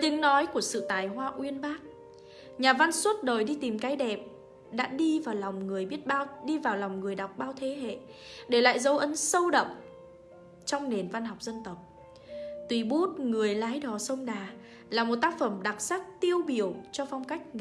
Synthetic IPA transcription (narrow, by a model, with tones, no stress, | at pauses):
t̪ï˨˦ŋ̟nɔ˨˦jku˧˩əsɨ̰˧˨t̪aː˨˩jɦwaː˧ʔwi˧ənɓaː˦˥t̚ | ɲaː˨˩va˧nswə˦˥t̚ɗoː˨˩jɗi˧t̪i˨˩mkaː˨˦jɗɛ˨˩p̚ | ɗa̰ː˧˥ɗi˧vaː˨˩wla˨˩wŋ͡mŋɨ˨˩əjɓi˦˥ət̚ɗi˧vaː˨˩wlɔ˨˩wŋ͡mŋɨ˨˩əjɗa˨˩wk͡p̚ɓaː˧wt̪ʰe˨˦ɦḛ˧˨ | ɗe˧˩la̰ː˧˨jzə˨˧wʔə˨˦nsə˧wɗə̰˧˨wŋ͡m | t͡ɕɔ˧wŋ͡mne˨˩nva˧nɦɔ˨˩wk͡p̚zə˧nt̪ə˨˩wk͡p̚ | t̪wi˨˩ɓu˦˥t̚ŋɨ˨˩əjlaː˨˦jɗɔ˨˩sə˧wŋ͡mɗaː˨˩ | laː˨˩mo˨˩t̚t̪aː˦˥k̚fə˧˩mɗa˨˩t̚saː˦˥k̚t̪i˧əwɓi˧˩əwt͡ɕɔ˧fɔ˧wŋ͡mka˦˥jk̟̚ŋ